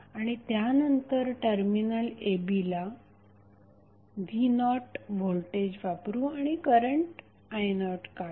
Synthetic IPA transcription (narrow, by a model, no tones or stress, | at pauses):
aɽ̃it̪janənt̪əɾʈəɾminəlebila | d̪inɔʈʋʱolʈed͡ʑʋapɾũaɽ̃ikəɾəɳʈ | ajnɔʈka